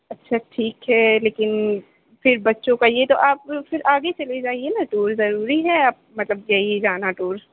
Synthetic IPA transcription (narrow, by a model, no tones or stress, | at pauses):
ɐtːʃʰaʈʰiːkɦɛleːkɪn | fɪɾbɐtːʃõkaijet̪oʔaːpfɪɾʔaːɡet͡ʃɐled͡ʒaːienaʈuːɾzɐɾuːɾiɦɛaːp̚mɐt̪ləbjɐɦid͡ʒaːnaʈuːɾ